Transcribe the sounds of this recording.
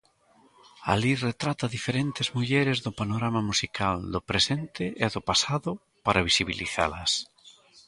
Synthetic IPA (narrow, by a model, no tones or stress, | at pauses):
a̰liret̪ɾat̪aðifeɾent̪ɪzmuʎɛɾɪzðʊpanoɾamamusikald̪ʊpɾesent̪ɪʔeðʊpasaðʊ | paɾaβisiβḭlḭθa̰lɐs